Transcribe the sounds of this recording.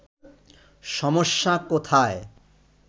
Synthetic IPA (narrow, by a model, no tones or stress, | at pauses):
ʃɔmoʃːakot̪ʰae